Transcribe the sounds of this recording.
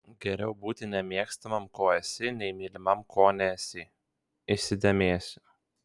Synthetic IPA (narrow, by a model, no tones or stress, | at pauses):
ɡʲɛɾʲɛʊbuːt̪ʲɪnʲɛmʲiɛkst̪ɐmɐmkoːɛsʲɪnʲɛɪmʲilʲɪmɐmkʰoːnʲɛsʲɪ | ɪʃʲsʲɪd̪ʲɛmʲeːsʲʊ